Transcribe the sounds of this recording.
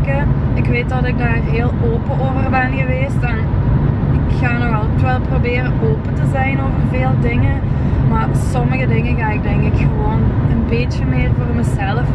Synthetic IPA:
kəɪkʋeːt̚dɑtɪɡ̚daːrɦeːlˠoːpəʔoːvərbɛnɣəʋeːstɛn | ɪkxaːnɔxɑlˠtʋɛlˠprobeːɾəʔoːpətəzɛjnoːvərveːlˠdɪŋən | marsɔməɣədɪŋəɣaːɪk̚dɛŋkɪkxəʋoːnənbeːtjəmɪːrvoːrməzɛlˠəf

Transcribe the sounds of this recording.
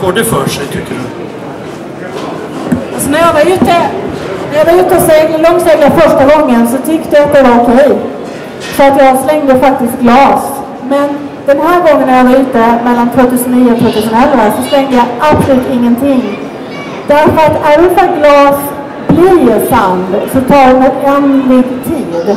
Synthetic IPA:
ɡoːɖʉfœːʂɛjt̪ʰʏkʰːəɖɵ̰ | alsɔnæɾjɑvɑɾjʉt̪ːənæɾjɑːvɑɾjʉt̪ːəɔsɛlɔŋslɛɡ̪lafœʂʈaɡɔŋːənsɔt̪ʰʏkt̪əjaɪnəd̪ɛvaɾɔkʰɛj | fœɾat̪jɑːɡslɛŋd̪əfak̚t̪ɪst̪̚ɡlɑːs | mɛn | d̪̥ɛnɦæːɾɡɔŋːənːæɾjavaɾʉ̟ːt̪əmɛlːant̪ʰvoːt̪ʰʉːsəniːəʊt̪ʰvoːt̪ʉ̟ːsənɛlːaəsɔslɛŋd̪əjɑʔapsɔlʉ̟ːt̪ɪŋːənt̪ʰɪŋː | d̪̥æɾfœɾat̪æɖɵfaɡlɑːs | blisand̪sɔt̪ʰɑːɖɵnɛɛnɾɪt̪ʰːiːd̪

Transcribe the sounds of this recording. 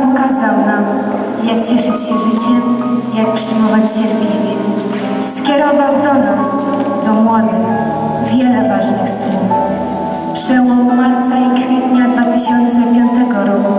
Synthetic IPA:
pɔkazawnam | jakt͡ɕɛʂɘt͡ɕɕɛʐɘt͡ɕɛ | jak̚pʂɘjmɔvat͡ɕɕɛɾvʲeɲʲɛ | skʲɛɾɔvawd̪ɔnas | d̪ɔmwɔd̪ɘx | vʲjɛlɛvaʐnɘxsɛn | pʂɛwɔwmaɾt̪saikfʲjɛt̪ɲad̪vat̪ɘɕɔnt̪sɛpʲjɔnt̪ɛɡɔɾɔku

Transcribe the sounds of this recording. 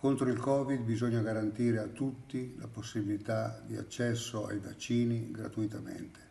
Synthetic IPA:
kont̪ɾoilkɔːvid̪̚bizoɲːaɡaɾant̪iːɾeat̪ːut̪ːila̰posːibilit̪ad̪ia̰t͡ʃːɛsːoa̰jvat͡ʃːiːniɡɾa̰t̪uit̪amɛ̰nt̪e̥

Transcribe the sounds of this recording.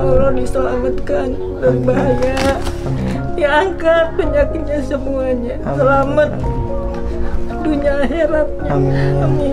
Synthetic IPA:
olɔdist̪olaɡut̪kan | daɾibaɦaɲaʔ | daŋkat̪̚pəɲakɪt̪̚ɲasəmuaɲasəlamat̪̚ | duɲiaɦeɾat̪̚ami

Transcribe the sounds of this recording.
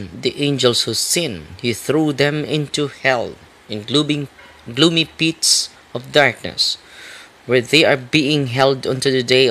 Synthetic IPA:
d̪iʔẽnd͡ʒəlˠshusɪ̃nhiθɹuðɛ̃mɪ̃nt̪uhɛlˠ | ɪ̃n | ɡlumipits | ɔvdaɹk̚nɨ̰s | wɛɹðeɪaɹbiɪ̃ŋɦɛlˠdʌ̃ntɨd̪ɨde

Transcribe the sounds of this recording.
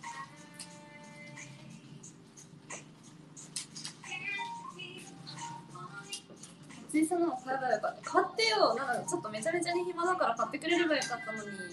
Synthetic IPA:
t͡ɕisanoaɡaɾakakʰat̪ːe̞jonãŋkt͡ɕot̪ːo̞me̞t͡ɕame̞t͡ɕaɲiçʲimanakaɾakat̪ːe̞kɯ̟ɾe̞ɾɯ̟ɡajokat̪ːano̞ɲ̟i

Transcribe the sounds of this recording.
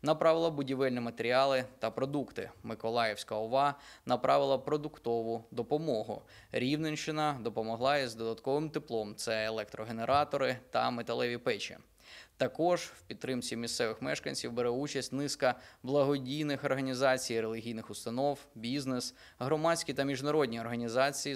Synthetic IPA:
nɐpɾɑʋɪlˠɐbʊdʲiʋɪlʲnimɐt̪eɾʲiɑlˠɪt̪ɐpɾɔd̪ukt̪ɪ̰mɪkɔlˠɑjewsʲkɐɔʋɑnɐpɾʔɑʋɪlˠɐpɾɔd̪ʊkt̪ɔʋʊd̪ɔpɔmɔɦʊ̰ | ɾʲiwnenʃɪnɐd̪ɔpɔmɔɦlˠɑjɛzd̪ɔd̪ɐt̪kɔʋɪmt̪ɪplˠɔmt̪sɛelˠɛk̚t̪ɾɔɦeneɾʔɑt̪ɔɾɪt̪ɐ̰met̪ɐlˠɛʋʲipɛt͡ʃḭ | t̪ɐkɔʒ̥wpʲid̪t̪ːɾɪmt͡sʲimʲist̪sɛʋɪxmɛʃkɐnʲsʲiwbeɾɛut͡ʃɐsʲtʲnɪskɐblˠɐɦɔdʲijnɪxɔrɦɐnʲizɑt͡sʲijɾelʲɪɦʲijnɪxʊst̪ɐnɔwbʲiznes | ɦɾɔmɑt͡sʲkʲit̪ɐmʲiʒnɐɾɔdʲnʲiɔrɦɐnʲizɑt͡sʲij

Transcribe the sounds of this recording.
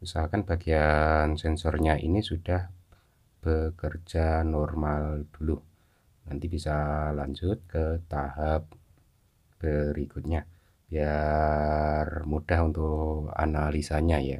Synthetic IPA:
isalkanb̥aɡiansɛnsɔrɲaʔḭnisudah | b̥əkərd͡ʒanɔrmald̥ulu | nant̪ibisalaɲd͡ʒʊt̪̚kət̪aɦap̚ | b̥əɾikʊt̪̚ɲa | b̥ia | rmudaɦunt̪ʊka̰nalisaɲaja̰

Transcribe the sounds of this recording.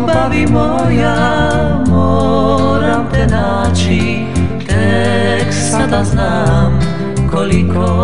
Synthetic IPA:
baʋimɔja | mɔ | ɾamt̪ɛnaːt͡ʃi | t̪ɛksat̪aznaːm | kɔlikɔ

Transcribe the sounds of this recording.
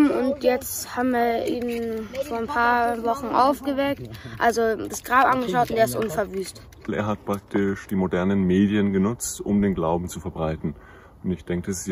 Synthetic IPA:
ʊntjɛt͡sthaːbm̩viːɐʔiːnfoːɐnpʰaːɐvɔχn̩ʔa̰ʊfɡ̥əvɛk̚tʔalzod̥asɡ̥ʁaːbʔanɡəʃaʊtʊnteːɪstʔʊnfɛɐvyːst | ʔḛːɐɦat̚pʁ̥ak̚tʰɪʃd̥iːmodɛɐnənmeːdjənɡənʊt͡stʊ̰mdeːnɡlaʊbm̩t͡sufɛɐbʁaɪtn̩ | ʊntɪçd̥ɛŋkəs

